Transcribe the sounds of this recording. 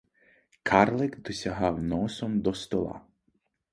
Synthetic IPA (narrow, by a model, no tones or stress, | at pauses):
kʰɑrlˠɛkd̪ɔsʲɐɦɑwnɔsɔmd̪ɔst̪ɔlˠɑ̰